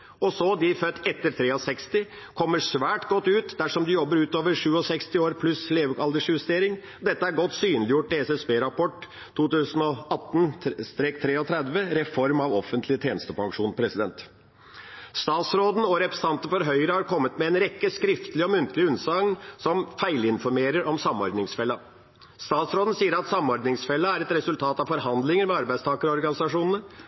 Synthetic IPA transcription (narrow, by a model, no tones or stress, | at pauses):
ɔsɔd̪ɪfœt̪ːɛt̪ːəɾt̪ʰɾeːɔsɛkst̪ɪ | kʰɔmːəʂʋæːʈɡɔt̪ːʉːt̪d̪æʂɔmd̪ɪjɔbːəɾʉːt̪oːʋəɾʂʉːɔsɛkst̪ɪoːɾpʰlʉsleːʋɑld̪əʂjʉst̪eːɾɪŋ | ɔd̪ɛt̪ːəæɾɡɔt̪ːsyːnlɪjʊʈːɪɛsɛsbeːɾɑpʰɔʈ̪ʰː | uːt̪ʉːsən̩ɔɑt̪ːn̩st̪ɾeːkt̪ʰɾeːɔt̪ʰɾɛd̪ʋəɾɛfɔɾmɑʋɔfənt̪ʰlɪət̪ʰjeːnəst̪əpʰɑŋʂuːnpʰɾɛsɪd̪ɛnt̪ | st̪ɑːt̪sɾoːd̪n̩ɔɾɛpɾɛsn̩ɑnt̪ən̩fɔɾɦœʏɾəhɑɾkʰɔmːət̪mɛɛːnɾɛkːəskɾɪft̪əlɪɔmʉnt̪lɪʉnsɑŋsɔmfæɪlɪnfɔɾmeːɾəɾʔɔmsɑmɔɾd̪nɪŋsfɛlːɑ | st̪ɑːt̪sɾoːd̪n̩siːəɾɑt̪sɑmɔɾd̪nɪŋsfɛlːəæɾɛt̪ɾɛsʉlt̪ʰɑːt̪ɑʋfɔɾɦɑnd̪lɪŋəɾmɛɑɾbæɪd̪st̪ʰɑːkəɾɔɔɾɡɑnɪsɑʂuːnənə